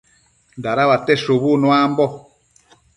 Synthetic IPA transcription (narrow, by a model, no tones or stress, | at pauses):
ndaɾaβatɛʃoβunwambɔ